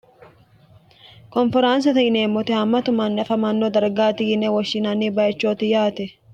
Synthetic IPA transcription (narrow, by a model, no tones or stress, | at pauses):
kɔnfɛɾaːns̬ɐt̪ɐɪneːmːɔt̪ɪhɐmːɐt̪ʊmɐnːɐfɐmɐnːod̪ɐɾɡaːt̪ɪjɪnɛwɐʃːɪnɐnibɐjɐt͡ʃːoːt̪ɪjaːt̪ɛ